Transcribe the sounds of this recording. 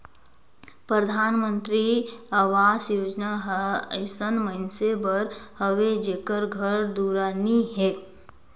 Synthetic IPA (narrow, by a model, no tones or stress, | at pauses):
pɾəd̪ʱaːnmə̃nt̪ɾiaʋaːsjoːd͡ʒnaɦəɪsənməɪnsebəɾhəʋed͡ʒeːkəɾɡʱəɾd̪uɾaːniɦɛː